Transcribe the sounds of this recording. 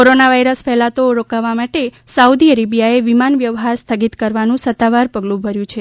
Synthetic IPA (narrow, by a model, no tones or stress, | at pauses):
koɾonaʋajɾəsfɛɦlat̪oɾokaʋamaʈe | saud̪iəɾebijaeʋimanʋjəʋɦaɾst̪ʰəɡit̪kəɾʋanũsət̪ːaʋaɾpəɡlũbʱəɾjũt͡ʃʰe